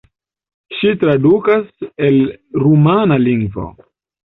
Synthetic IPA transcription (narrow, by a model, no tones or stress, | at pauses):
ʃitɾadukaselɾumanaliŋɡvo̰